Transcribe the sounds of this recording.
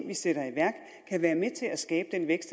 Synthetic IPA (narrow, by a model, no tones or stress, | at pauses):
ʋiseɾ̥ɐiʋæɐɡ̥ | kʰæʋæːɐmet͡sʰe̝læsɡ̥ɛ̰ːb̥əd̥enʋeɡ̥sd̥